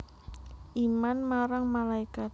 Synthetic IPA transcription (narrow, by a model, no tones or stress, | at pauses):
ʔimanmaɾaŋmalaikat̪̚